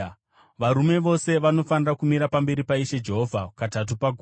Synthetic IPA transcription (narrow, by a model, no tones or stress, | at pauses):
ʋaɾume̞ʋo̞se̞ʋano̞fanirakumiɾapambe̞ɾipaiʃe̞d͡ʒe̞ɦovʱakatat̬upaɡʱu